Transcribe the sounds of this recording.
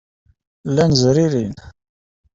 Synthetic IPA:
lːænzɾiɾin

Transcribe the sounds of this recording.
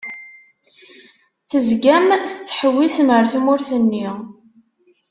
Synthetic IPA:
θəzɡæmθət͡sːħəwːisəməɾθumʊɾθənːiʁ

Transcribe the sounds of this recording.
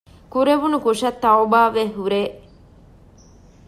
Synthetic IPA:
kuɾeʋunukuʂɐt̪ːɐobaːʋeɦuɾeː

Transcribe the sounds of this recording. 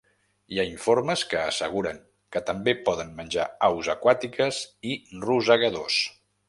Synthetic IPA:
iaiɱfoɾməskəːsəɣ̞uɾəŋ | kət̪əmbepɔðənmənʲd͡ʒaawzəkwat̪ikəziruzəɣəðos

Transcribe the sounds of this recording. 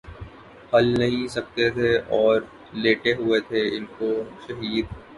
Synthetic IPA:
hɐlnɐɦĩsɐk̚t̪et̪ʰeɔːɾ | leːʈeɦʊet̪ʰeɪnkoʃɐɦiːd̪̚

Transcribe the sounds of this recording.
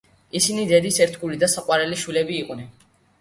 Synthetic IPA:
isinid̪ɛd̪isɛɾt̪ʰɡulid̪asaqʼwaɾɛliʃwilɛbiːqʼnɛn

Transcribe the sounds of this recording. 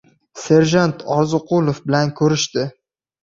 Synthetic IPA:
se̞ɾʒant̪ʰɒɾzɨqʰʊlˠofbɪlankʰɵɾɪʃt̪ɪ

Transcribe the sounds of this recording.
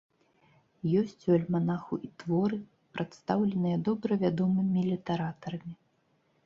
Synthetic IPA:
jɔsʲt͡sʲɐlʲmanaxuʔit̪vɔɾɨ | pɾʔat̪st̪awlʲɛnɨjɐd̪ɔbɾɐvʲad̪ɔmɨmʲilʲit̪ɛɾat̪ɐɾɐmʲi

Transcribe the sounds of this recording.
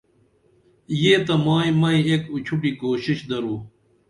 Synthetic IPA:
jeːt̪ɐmaːĩmɐĩekut͡ɕʰuʈikoːɕiɕd̪ɐɾuː

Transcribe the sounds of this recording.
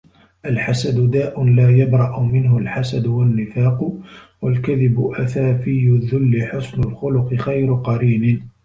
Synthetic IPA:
ʔalħasad̪ʊd̪aːʔʊnlaːjabɾˤɑʔʊmɪnhʊlħasad̪ʊwanːɪfaːq | walkaðɪbʊʔaθaːfɪjːʊðːʊlːɪħʊsnʊlxʊlʊqɨxajɾʊqɑɾiːnɪ

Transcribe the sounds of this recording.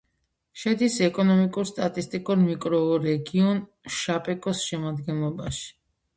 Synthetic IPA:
ʃɛd̪isɛkʼɔnɔmikʼuɾst̪ʼat̪ʼist̪ʼikʼuɾmikʼɾɔːɾɛɡiɔn | ʃapʼɛkʼɔsʃɛmad̪ɡɛnlˠɔbaʃi̥

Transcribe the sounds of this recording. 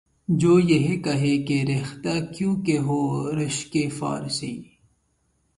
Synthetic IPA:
d͡ʒoːjeɦekɐɦekeɾext̪aːkjũːkeɦoːɾɪʃkefa̰ːɾsi

